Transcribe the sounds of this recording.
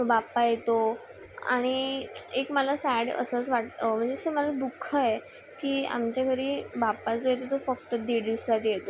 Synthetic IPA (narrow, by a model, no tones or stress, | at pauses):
bapajet̪o | a̰ɽ̃iekməlasæɽə̰səːt͡sʋaʈm̤əɳd͡zeseməlad̪ukʰːəje | kiːa̰mt͡ɕjakʰəɾiːbapat͡sojet̪̬ot̪ofək̚t̪əd̪eɽissaʈiːjet̪o